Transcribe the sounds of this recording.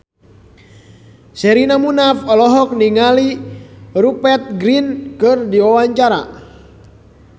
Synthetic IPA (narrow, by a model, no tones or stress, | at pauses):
sɛɾinamunafɔlɔɦɔk̚niŋali | rupɛt̪̚ɡɾinkɨrdiwawaɲt͡ʃaɾa̰